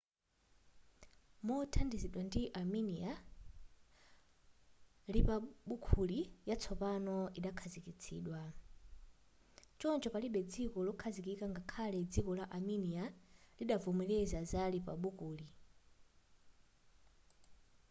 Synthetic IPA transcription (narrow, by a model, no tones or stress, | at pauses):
mutʰandiziɗwandiʔaminia | lipaɓukʰulijat͡sʰɔpanɔiɗakʰazikit͡sʰḭːɗwa | t͡ʃɔnt͡ʃɔpaliɓɛd͡zikɔlɔkʰazikikaŋɡakʰalɛd͡zikɔlaʔaminialiɗavumilɛzazalipa̰ɓukʰuːli